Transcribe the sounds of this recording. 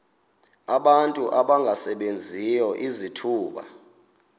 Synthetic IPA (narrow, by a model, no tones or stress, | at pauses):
aɓantʼuʔaɓaŋɡʱasɛɓend͡zʱijɔʔizitʰuːɓa̰